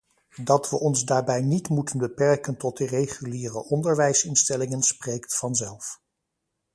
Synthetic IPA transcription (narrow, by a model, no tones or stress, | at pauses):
dɑtʋəʔɔnzdaːɹbɛjnitmutənbəpɛɹkəntɔt̚dərejχyliːrəʔɔndəɹʋɛjsɪnstɛlɪŋənsprejktfɑnzɛlˠf